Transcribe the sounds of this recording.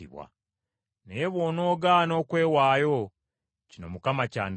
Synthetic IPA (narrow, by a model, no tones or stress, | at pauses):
ḭβwa̰ | neeβwo̞ːno̞ːɡano̞ːkwe̞ːwaːjo | cino̞̰mukamaca̰ːn